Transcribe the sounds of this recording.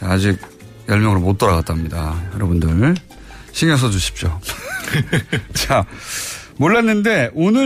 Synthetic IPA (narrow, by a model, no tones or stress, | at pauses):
ad͡ʑiɡ̚ | jʌɭmjʌŋɯɾomot͈ʌɾaɡat͈̚amɲidajʌɾʌbundɯɭ | ɕʰiŋjʌs̬ʰʌd͡ʑuɕʰi̥p̚ɕ͈o | t͡ɕa | moɭːanːɯnde̞onɯ